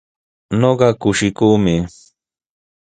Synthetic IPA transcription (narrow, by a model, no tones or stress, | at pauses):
noɢɑkʊʃɪkuːmɪ